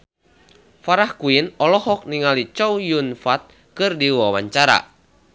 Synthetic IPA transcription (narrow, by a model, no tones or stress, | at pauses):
faɾahkuinɔlɔhɔk̚niŋalit͡ʃɔwjunfat̪̚ | kɨrdiwawaɲt͡ʃaɾa̰